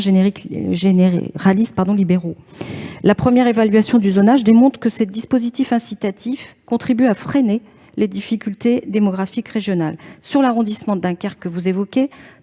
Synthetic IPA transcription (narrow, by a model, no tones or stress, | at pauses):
ʒeneʁikʒenḛʁalist̪̚paʁd̪ɔ̃libeʁo | lapχəmjɛʁevalɥasjɔ̃d̪yzonaʒd̪emɔ̃t̪χkəsed̪ispozit̪ifɛ̃sit̪at̪ʰifkɔ̃t̪χibyafχene | led̪ifikʲylt̪ed̪emɔɡʁafikʁeʒjɔnalsyʁlaʁɔ̃d̪ismɑ̃d̪ɛ̃kaʁkːəvuzevɔkʲe